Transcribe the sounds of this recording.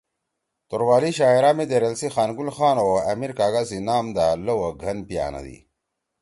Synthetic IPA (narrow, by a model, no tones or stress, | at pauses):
t̪oɾwaːliɕaːiɾaːmed̪eɾɐlsixaːnɡulxaːnoɐmiɾkaːɡasinaːmd̪alɐwɐɡʱɐnpija̰ːnɐ̰d̪ḭ